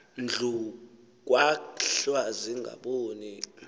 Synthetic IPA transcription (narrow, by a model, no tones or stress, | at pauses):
nd͡ɮʱu | k̬ʼwaɬwaziŋɡa̰ɓoːni